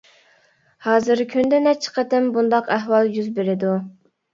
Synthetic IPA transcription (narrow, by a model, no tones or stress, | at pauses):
hɑːzɨɾkʲʰynd̪ɛnɛt͡ʃʰːə̥qʰət̪ɪmbund̪ɑqæɦwɑlˠjyzbeɾɪd̪u